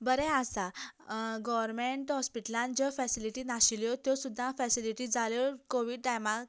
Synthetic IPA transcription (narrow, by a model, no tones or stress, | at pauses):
bəɾɛ̃asa | ɡɔʋəɾmeɳʈɦɔspiʈəlãnd͡ʑɔfɛsiliʈinaɕiljɔt̪josud̪ʱːãfɛsiliʈid͡zalɔkoʋiɖ̚ɖajmak